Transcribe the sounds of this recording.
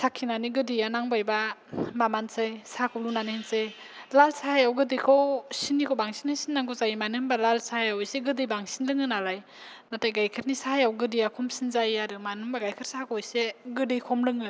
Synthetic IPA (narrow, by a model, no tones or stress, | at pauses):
sakʰːinaniɡɯdijanaŋbajbamamansɯjsakʰɔwlunanensɯj | lalsaajawɡɯdɯjkʰɔwsinːikʰɔwbaŋsinɯsinːaŋɡɔzajimanɯmbalalsajawiseɡɯdɯjbaŋsinlɯŋɯnaɾaj | natajɡajkʰɯɾnisaajawɡɯdijakʰɔmsinzajaɾɯmanɯmbaɡajkʰɯɾsakʰojseɡɯdɯjkʰɔmlɯŋɯ